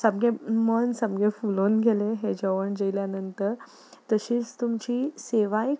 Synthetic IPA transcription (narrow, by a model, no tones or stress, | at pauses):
səb̚ɡemənsəbɡefulonɡʱeleɦed͡ʑəʋəɳd͡ʑejljanənt̪əɾ | t̪əɕiːt͡st̪umt͡ɕiːseʋaj